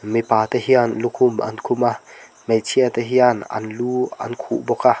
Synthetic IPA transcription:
mipaːt̪aɦianlukʰumʔa̰nkʰuma | mejt͡sʰiat̪aɦianɐ̰nluːɐ̰nkʰṵʔbɔka

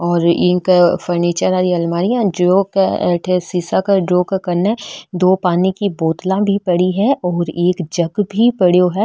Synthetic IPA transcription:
ɔːɾɪ̃ːkfəɾniːt͡ʃəɾaːɾiɐlmaːɾijãɖɾoːkʈʰesiːsakəɖɾoːkkɐɾned̪oːpaːnikiboːt̪lãbʱipɐɽiɦɛɔːɾeːkd͡ʒɐɡbʱipɐɽjoɦɛ

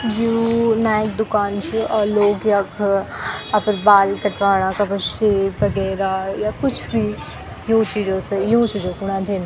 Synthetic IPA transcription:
junaːk̚d̪ʊkaːnt͡ʃʰuɔːloːɡjakʰ | ɐpəɾbaːlkɐʈʋaːɽ̃akɐbəʃeʋɐɡɛːɾajakʊt͡ʃʰbʱi | jũːt͡ʃiːd͡ʒõsejũːt͡ʃʰid͡ʒõkʊɽ̃ãt̪ʰeːna

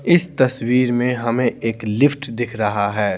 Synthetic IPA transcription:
ɪst̪ɐswiːɾmẽɦɐmẽeːklɪfʰʈd̪ɪkʰɾɐɦaɦɛː

